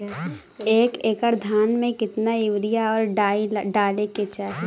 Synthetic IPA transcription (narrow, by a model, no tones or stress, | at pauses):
eːkeːkəɾd̪ʱaːnmẽkɪt̪naɪʋɾijaɔːɾɖaiɖaːleket͡ʃaː